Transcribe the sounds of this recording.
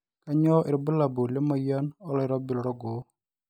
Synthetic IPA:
ka˦ɲɔ˦ʔɪ˨ɾbə˦la˨bo˨le˦ma˦ja˦nɔ˦lɔ˦ɪ˨ɾɔ˦bɪ˨lɔ˨ɾɔ˦ɡo˨˦

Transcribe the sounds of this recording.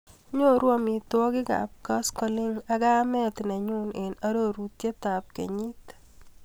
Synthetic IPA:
ɲo˦ɾwɔ˦mɪ˨t̪wɔ˦ɡɪ˦ɡa̰˨p̚ka˦skɔ˨lɪ˦ŋa˨ɡa˦mɛ˦t̪nɛ˨ɲʊ˦nɪ˨na˦ɾo˦ɾu˨t̪je˦t̪a˨p̚kḛ˨ɲi˦t̪

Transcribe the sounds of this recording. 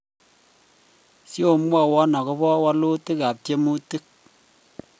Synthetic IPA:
si˦o˨˦mʷ˦a˦˨wa˦nɔ˨kɨ˦bɔ˦wa˦lo˦tɨ˦ka˨p̚te˦mu˦tɨ˦k̚

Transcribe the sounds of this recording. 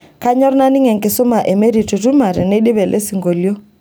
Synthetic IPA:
ka˦ɲɔ˦ɾna˦ni˦ŋɛ˨ŋkɪ˨sɔ˦ma˨ʔɛ˨me˦ɾi˨tu˨tu˦ma˨ɾɛ̰˨nɛ˦ɗi˦βɛ˨lʔɛ̰˦si˨ŋɡo˨ljo˦

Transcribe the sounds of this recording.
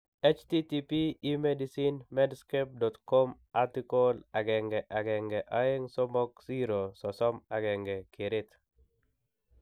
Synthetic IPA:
e˦t͡ʃti˦ti˦piː˦me˦disi˦nmɛ˦dske˦p̚dɔ˨t̪ko˦m | a˦ti˦ko˦la˨ɡɛ˨ŋɡɛʔa˨ɡɛ˨ŋɡɛʔa˨e˦ŋsɔ˦mɔ˦ksi˦ɾo˨sɔ˨sɔ˦ma˨ɡɛ˨ŋɡɛ˨ke˨ɾɪ˦t̪

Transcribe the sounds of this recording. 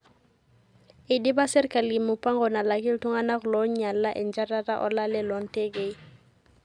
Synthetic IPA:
ɪ˨di˦ba˦sɛ˦ɾɪ˦kʼa˨li˨mʊ˨pʼa˦ŋɡɔ˨na˨la˨kʼɪ˦l̩˦tʰʊ˦ŋa˦na˦ɣʊ˨lɔ˦ɲɲa˨l̩a˦ʔɪ˨n̩˦d͡ʒa˦ra˦ra˦ʔɔ̰˦la˦lɛ˦lɔ˨ŋ̩˦tʼe˦kʼe˦i˦

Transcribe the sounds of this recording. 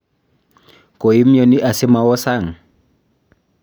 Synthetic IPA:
kʼo˨i˦m̩˦jɔ˦nɪ˦ʔa˨sɪ˦ma˨wɔ˦sa˦˨ŋ̩˨

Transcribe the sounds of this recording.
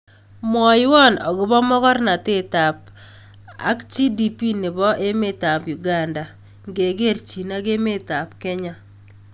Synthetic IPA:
mwɔ˨jwɔ˦nɔ̰˨ɣʊ˦bɔ˦mɔ˦ɣɔ˦rna˨te˦ta˨p̚ | a̰˦kt͡ʃi˦di˦pi˦nɪ˨bɔ˦ʔe˦me˦ta˨pju˨ɡa˨nda˨ | ŋɡe˨ɡe˦rt͡ʃi˨na˦ke˦me˦ta˨p̚kɛ˦ɲa˦

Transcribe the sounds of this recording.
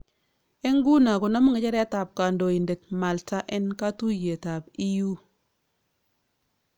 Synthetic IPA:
e˦ŋɡu˦na˨ko˨nɔ˦mɔ˦ŋɛ˨t͡ʃɛ˦ɾɛ˦ta˨p̚ka˨ndo˨i˨nde˨t̚ma˨lta˦ʔɛ˦nka˦tu˦je˨ta˨bi˦ju˦

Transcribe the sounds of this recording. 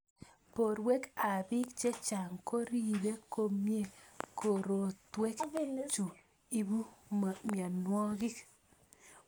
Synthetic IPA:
po˨ɾwe˦ka˨bɪ˦k̚t͡ʃe˦t͡ʃa˨ŋko˦ɾi˦˨be˦ko˦mje˦˨ko˨ɾo˨twe˦kt͡ʃu˨ | i˦bu˦˨mja˨nwɔ˦ɡɪ˦k

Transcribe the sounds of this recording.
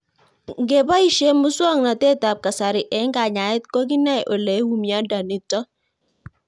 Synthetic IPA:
ŋɡe˨ba˦i˨ʃe˦mu˦swɔ˦˨ŋna˨te˦ta˨p̚ka˨sa˨ɾɪ˨ʔɛ˨˦ŋɡa˨ɲa˨ɪ˦t̪̚ko˦ɡi˦na˦jʔo˨le˨˦wu˦mja˦da˨ni˨tɔ˦

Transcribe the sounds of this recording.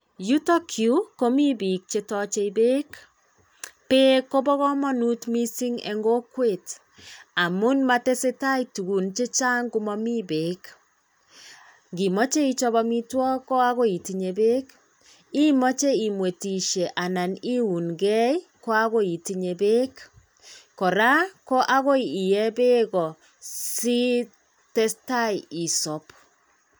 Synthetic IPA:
ju˦tɔ˦kʰju˦ko˦mi˦bi˨k̚t͡ʃe˦tɔ˦t͡ʃe˨i˨be˦k | pe˦ko˦bɔ˦ɣɔ˦mɔ˦nu˦tmi˦si˦ŋɛ̰˨ŋɡo˦kwe˨t | a˨mu˦nma˦te˦se˦ta˦i˦tu˨ɡu˨nt͡ʃe˦t͡ʃa˦ŋɡu˦mɔ˦mi˦be˨k | ɡi˨mɔ˦t͡ʃe˦i˦t͡ʃɔ˦βɔ˦mi˦twɔ˦kɔ˦a˦ɣo˦i˨ti˨ɲe˨be˦k | i˦mɔ˦t͡ʃe˦i˨mwe˨ti˨ʃe˨ʔa˨na˨ni˦u˨nɡɛ˦i˦ko˦a˦ɣo˦i˨ti˦ɲe˨be˦k | kɔ˨ɾa˦ko˦ʔa˦ɣo˦ii˨jɛ˦be˦ɣɔ˨ | si˦ | tɛ˦sta˦ji˨sɔ˨p

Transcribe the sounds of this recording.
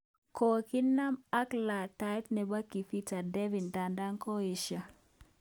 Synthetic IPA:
ko˨ki˦na˦ma˦kla˨ta˨i˦tnɛ˨ba˦ki˨fi˦ta˨dɛ˦vi˨nda˨nda˦ŋko˦i˨ʃa˨

